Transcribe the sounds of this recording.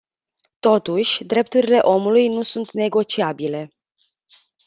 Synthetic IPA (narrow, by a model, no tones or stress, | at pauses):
t̪o̞t̪uʃʲd̪ɾe̞p̚t̪uɾile̞ʔo̞mulujnusunt̪ne̞ɡo̞t͡ʃiabile̞